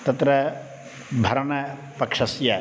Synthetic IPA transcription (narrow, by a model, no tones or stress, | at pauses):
t̪ɐt̪ɾɐ | bʱɐɾɐɳɐ | pɐkʂɐsjɐ